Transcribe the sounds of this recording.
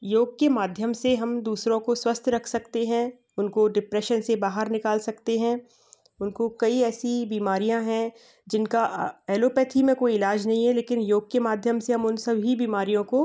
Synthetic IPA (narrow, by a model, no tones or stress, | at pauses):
joːɡ̚kemaːd̪ʱjəmseɦɐmd̪uːsɾõkoswɐst̪ʰɾɐkʰsɐkt̪eɦɛ̃ | ʊnkoɖɪpɾɛːʃənsebaːɦəɾnɪkaːlsɐkt̪eɦɛ̃ | ʊnkokɐiɛːsibiːmaːɾijãɦɛ̃ | d͡ʒɪnkaɛːloːpɛːt̪ʰimẽkoːiɪlaːd͡ʒnɐɦĩɦɛleːkɪnjoːɡ̚kemaːd̪ʱjəmseɦɐmʊnsɐbʱibiːmaːɾijõko